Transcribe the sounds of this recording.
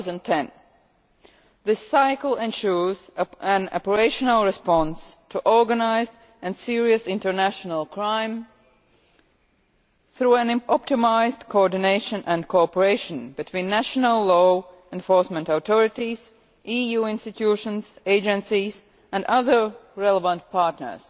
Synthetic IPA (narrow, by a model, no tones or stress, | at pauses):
zə̃ntʰɛ̃n | ðɪsaɪkl̩ˠɛ̃nʃuzæ̃na̰pə˞eɪʃənəlˠɹɪspɑ̃nstʰuʔɔɹɡənaɪzd | ɨ̃nsiɹiɨsɪ̃ntə˞næʃənəlˠkʰɹ̥ãɪ̃m | θɹuæ̃nʔɔp̚tɪmaɪzdkʰoɔɹdɪneɪʃə̃nʔæ̃nkʰoɔpəɹeɪʃə̃nbɨtʰwĩːnːæʃənəlˠlɔ | ɛ̃ɱfɔɹsmɛ̃ntaʊt̪ʰɔɹɪtiz̥ | ʔijuːɪ̃nstɨtʰjuʃə̃nz̥eɪd͡ʒɛ̃nsiz | æ̃ndʌðə˞ɹɛlˠəvə̃nt̚pʰɑɹtnə̰˞z̥